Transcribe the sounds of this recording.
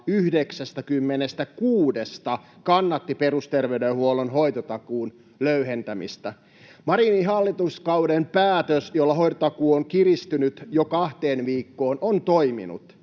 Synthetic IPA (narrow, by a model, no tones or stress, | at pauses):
yhdeksæst̪ækymːenest̪ækuːdest̪ɑ | kɑnːɑt̪ːiperust̪erʋeydehuolonɦoit̪ot̪ɑkuːn | løyɦent̪æmḭst̪æ | mɑɾiniɦɑlːit̪uskɑwdempæːt̪øsjolːɑɦojt̪ot̪ɑkuːoŋkirist̪ynyt̪jokɑht̪eːnʋiːkːoːnont̪oimḭnṵt̪